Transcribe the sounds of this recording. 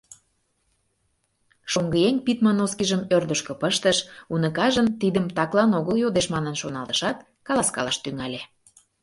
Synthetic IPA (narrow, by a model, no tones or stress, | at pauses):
ʃoŋɡəjeŋʲpit̪mɑnoskiʒəmørd̪əʃkɤ̆pəʃt̪əʃunəkɑʒənt̪id̪əmt̪ɑklˠɑnoɣəljod̪eʃmɑnə̆nʃonɑlt̪ə̥ʃɑt̪̚ | kɑlˠɑskɑ̰lɑʃt̪yŋɑlʲe